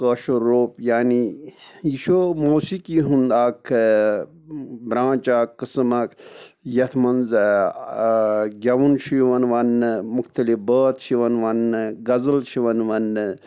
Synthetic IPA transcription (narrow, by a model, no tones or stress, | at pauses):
kəːʃoɾoːpjaːnijiʃomoːsikiɦũnd̪aːkʰ | bɾãːt͡ʃaːkːɨsmɐkjɐt̪ʰmɐnz | ɡʲɐʋunʃiʋɐnʋɐnːmukʰt̪ɐlifbəːt̪ʃiʋɐnʋɐnːɡɐzəlʃʰiʋɐnʋɐnːɨ